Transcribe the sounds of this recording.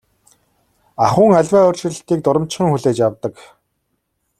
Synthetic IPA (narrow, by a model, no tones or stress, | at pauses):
aχʊːŋaɮʲwæːɔːr̥t͡ɕɪ̆ɮə̆ɬt̪iːk̚t̪ʊɾɞ̆mt͡ɕχə̆ŋxuɮeːt͡ɕjawt̪ə̆k